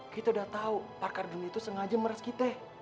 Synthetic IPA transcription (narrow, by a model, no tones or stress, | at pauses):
kit̪audaht̪auparkarduniait̪usəŋad͡ʒaməɾaskit̪ɛ